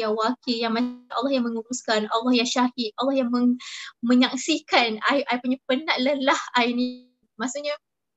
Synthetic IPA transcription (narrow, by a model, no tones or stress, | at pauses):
jawakɪljaŋmãʔa̰lːɑhjaŋməŋuɾuskanʔalːɔhjaŋʃahiʔ̚ʔalːɔhjaŋməŋmə̃ɲaksikanajʔajpuɲapənaʔləlahaini | masuʔɲã